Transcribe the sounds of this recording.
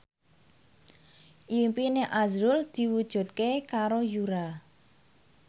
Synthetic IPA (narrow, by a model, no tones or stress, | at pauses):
ʔimpineʔazɾʊld̪̥i̤wud̥ʒ̥ṳt̪̚kekaɾojuɾa